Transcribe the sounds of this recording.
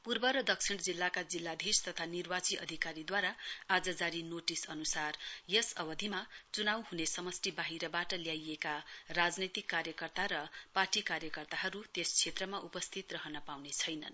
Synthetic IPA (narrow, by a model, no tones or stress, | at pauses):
purbʌɾʌd̪ʌksʰiɽd͡zilːakad͡zilːad̪ʱist̪ʌt̪ʰanirbat͡siʔʌ̰d̪ʱikaɾid̪waɾaad͡zʌd͡zaɾinoʈisʌnusarjʌsʌbʌd̪ʱimat͡sunawɦunesʌmʌsʈibaɦiɾʌbaʈʌljajekarad͡znit̪ikːaɾjʌkʌrt̪aɾʌparʈikaɾjʌkʌrt̪aɦʌɾut̪est͡sʰet̪rʌmaʔupʌst̪ʰit̪rʌɦʌnʌpawnet͡sʰʌjnʌ̰n